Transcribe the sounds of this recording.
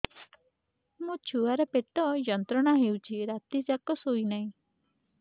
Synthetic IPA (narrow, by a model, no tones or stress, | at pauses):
mũt͡ʃʰuaɾepeʈɔjɔnt̪ɾɔɽ̃aɦewt͡ʃʰiɾat̪id͡ʒakɔsojnaĩ